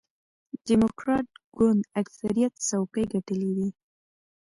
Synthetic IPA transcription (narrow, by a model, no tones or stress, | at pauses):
dimokɾɑʈ̚ɡ̥ʊnd̪aksaɾijat̪sawkəjɡaʈəlid̪i